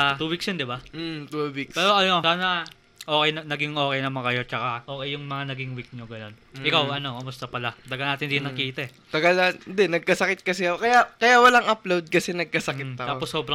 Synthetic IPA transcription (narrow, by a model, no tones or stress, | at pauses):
t̪uːwiksjond̪ɪbat̪uwikspɛːɾoʔɐno̞saːnɐ | ʔo̞ːkɛj̪ɐnɐɡɪŋʔo̞ːkɛjnɐmɐkɐjo̞t͡ʃɐkaʔo̞ːkɛjʊŋmɐŋanɐɡɪŋwik̚ɲo̞ɡɐno̞nʔɪkawɐno̞kɐmʊst̪ɐpɐlat̪ɐɡɐlnaːt̪ɪnd̪inːɐkiːt̪ɐʔɛ | t̪ɐɡɐlɐnd̪ɛnɐɡ̚kɐsɐkɪt̪̚kɐsɛkɐjakɐjawɐlaŋʔɐplowd̪̚kɐsɛnɐɡ̚kɐsɐkɪt̪t̪ɐʔaːoposːoːbɾɐ